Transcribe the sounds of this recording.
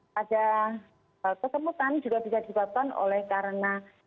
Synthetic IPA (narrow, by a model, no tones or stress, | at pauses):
ada | əkəsəmut̪and͡ʒuɡabisadisəbap̚kano̰lɛhkaɾəna